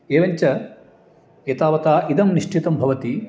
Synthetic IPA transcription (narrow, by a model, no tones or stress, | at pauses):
eːʋɐɲt͡ʃɐ | et̪aːʋɐt̪aːʔid̪ɐmniʂʈit̪ɐmbʱɐʋɐt̪i